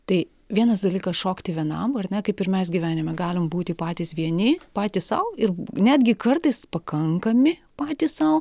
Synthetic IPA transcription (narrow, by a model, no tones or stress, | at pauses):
t̪ɐɪ | ʋʲiɛnɐsd̪ɐlʲiːkɐsʃoːkt̪ʲɪʋʲiɛnɐ̰mɐrnʲɛkɐɪpɪɾmʲɛs̬ɡʲɪʋʲæːnʲɪmʲɛɡɑːlʲɪmbuːt̪ʲɪpɑːt̪ʲiːsʋʲiɛnʲɪpɑːt̪ʲissɐʊɪrnʲæːd̪ʲɡʲɪkɐrt̪ɐɪspɐkɐŋkɐmʲɪpɑːt̪ʲissɐʊ